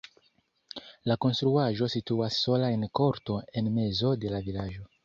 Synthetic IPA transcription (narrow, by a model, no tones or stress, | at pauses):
lako̞nst̪ɾuaʒo̞situasːo̞laenko̞ɾto̞e̞nme̞zo̞de̞lavilaʒo̞